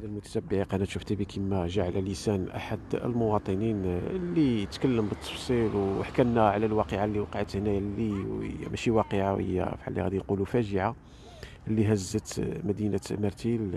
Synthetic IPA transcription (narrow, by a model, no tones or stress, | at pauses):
lælmʊt̪æ̥sæbːəʕiqænæt̪ʃuft̪ibikʰimːæʒaʕlælisænʔa̰ħad̪ə̰lmʊwɑt̪ˤəninlːiət̪kælːəmbət̪ʰˤːɑ̥fsˤilwəħkænnæʕlælwɑqəʕalːiwɑqʕət̪hnæjælːiə̰j̰mæʃiwɑqəʕawhə̰jːæ̰fħa̰lːḭhæ̰d̪ijqulufæʒəʕa | lːiɦæzːət̪mæd̪inæmæɾˤt̪il